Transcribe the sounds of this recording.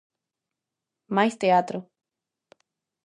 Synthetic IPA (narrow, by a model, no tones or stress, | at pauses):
majst̪eat̪ɾo